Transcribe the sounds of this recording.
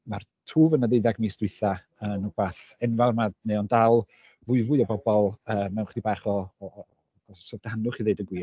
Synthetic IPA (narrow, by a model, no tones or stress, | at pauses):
martʰuːvənəðeɨðaɡmiːsd̥wɪθa | ənubaθɛnvarmaneɔndalˠ | vʊɨvʊɨɔbɔbɔlˠəːmːɛwχd̥ibaːχɔ | soːvd̥ahanʊχiðeɨdəɡwiː